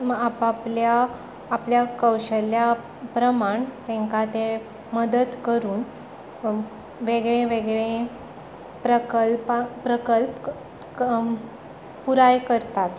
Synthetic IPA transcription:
apapljaː | pljakəwɕəlja | pɾəmaɳt̪ẽŋkat̪e | məd̪əd̪kəɾuːn | ʋeɡɭẽʋeɡɭẽ | pɾəkəlpɾəkəlp | puɾajkəɾt̪at̪

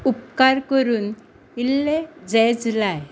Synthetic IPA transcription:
up̚kaɾkəɾuːn | ilːed͡zɛd͡zlaj

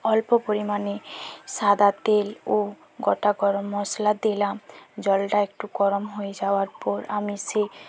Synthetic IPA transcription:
ɔlpɔpoɾimanesad̪at̪elo | ɡɔʈaɡɔɾɔmːɔslad̪elamd͡ʒɔlʈaek̚ʈuɡɔɾɔmɦoed͡ʒawaɾpɔɾa̰mise

